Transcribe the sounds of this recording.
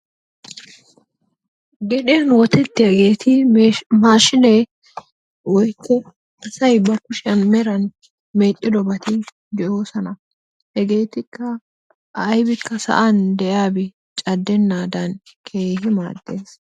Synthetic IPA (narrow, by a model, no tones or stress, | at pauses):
ɡɛᶑenwɔt̪ɛt̪ːɪɐɡe̞ːt̪ʰɪmaːʃɪnɛ | wɔjkːɔ | ɐsɐjbɐkʊʃɪɐnmɛɾɐn | meːt͡ʃʼːɪd̪ɔbɐt̪ɪ | d̪ɪjo̞ːsɐnɐ | hɛɡe̞ːt̪ɪkːɐ | ʔɐjbɪkːɐsɐ̰ʔɐnd̪ɛjaːbɛ | t͡ʃʼɐd̪ːɛnːaːd̪ɐn | kʰe̞ːhɪma̰ːd̪ːe̞ːs